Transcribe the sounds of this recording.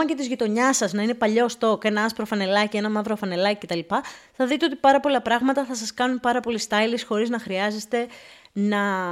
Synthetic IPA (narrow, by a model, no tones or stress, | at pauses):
ɐce̞t̪izʝit̪o̞ɲɐsɐznɐine̞pɐʎo̞st̪o̞ke̞nɐɐspɾo̞fɐne̞lɐcie̞nɐmɐvɾofɐne̞lɐcice̞t̪ɐlipɐθɐðit̪e̞o̞t̪ipɐɾɐpo̞lɐpɾɐɣmɐt̪ɐθɐsɐskɐnunpɐɾɐpo̞list̪ɐjlisxo̞ɾiznɐxɾiɐze̞st̪e̞nɐ